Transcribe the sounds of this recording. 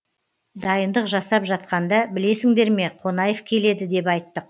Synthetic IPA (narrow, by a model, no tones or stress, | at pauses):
d̪ɑjənd̪əqʒɑsɑpʒɑt̪̚qɑnd̪ɑbɪle̞sɪŋd̪e̞ɾme̞qʰo̞nɑjefkʲʰe̞le̞d̪ɪd̪e̞pɑjt̪ːəq̚